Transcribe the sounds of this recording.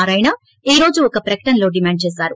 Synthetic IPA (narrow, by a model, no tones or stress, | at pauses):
ɾɐjnɐ | iːɾo̞ːd͡ʒuɔkɐpɾɐkɐ̥ʈɐnlo̞ːɖimaːɳɖ̚t͡ʃeːsaːɾu